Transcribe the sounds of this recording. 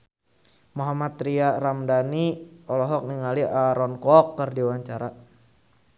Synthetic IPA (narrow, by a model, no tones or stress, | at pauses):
mɔɦamat̪ɾiaɾamdaniɔlɔɦɔk̚niŋaliʔaɾɔnkɔkːərdiwaɲt͡ʃaɾa